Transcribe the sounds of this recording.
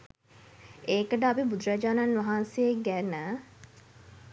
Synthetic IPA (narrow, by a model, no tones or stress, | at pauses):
eːkəʈəapibud̪ɾad͡ʒaːnanʋaɦaːnsejekɡænə